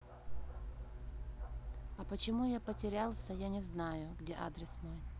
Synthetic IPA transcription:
ɐpət͡ɕɪmujapətʲɪɾʲalˠsʲəjanʲɪznajʊɡdʲeʔa̰d̪ɾʲɪsmoj

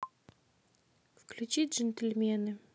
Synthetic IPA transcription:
fklʲut͡ɕidʲʐɨnt̪ʲɘlʲmʲenɨ

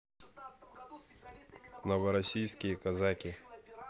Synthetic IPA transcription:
nɔʋɛɾɔsʲijsʲkʲijikɐzakʲi

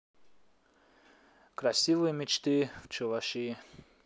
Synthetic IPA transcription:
krasʲivɨjmʲit͡ʃt̪ɨft͡ʃʰɨvaʃi

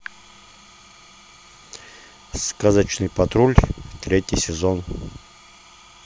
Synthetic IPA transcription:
skazat͡ʃnɨjpɐt̪ɾulʲft̪ɾʲet̪ʲisʲɪzon

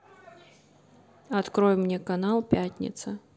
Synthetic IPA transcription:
ɐt̪kɾɔjmnʲɛkanalˠpʲatʲnʲɪ̰t̪sə

